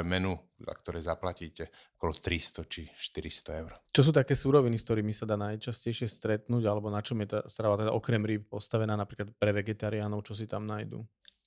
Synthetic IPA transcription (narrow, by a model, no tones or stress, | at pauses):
mɛnu | a̰kt̪ɔɾɛjzaplaciːcɛ | ɔ̥kɔlɔt̪ɾist̪ɔt͡ʃiʃt̪iɾist̪ɔɛʊɾt͡ʃɔs̬uːt̪akɛːsuːɾɔʋiniskt̪ɔɾiːmisad̪aːnajt͡ʃascɛjʃɪɛst̪ɾɛt̪nuːɟalɛbɔnat͡ʃɔmjɛt̪ast̪ɾaʋat̪ɛd̪aʔɔkɾɛmɾiːp̚pɔst̪aʋɛnaːnapɾiːklat̪pɾɛʋɛɡɛt̪aɾianɔʊt͡ʃɔs̬it̪amnajd̪ṵ